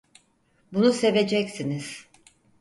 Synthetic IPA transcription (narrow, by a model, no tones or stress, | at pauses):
bunuse̞ve̞d͡ʒɛcsiniz̥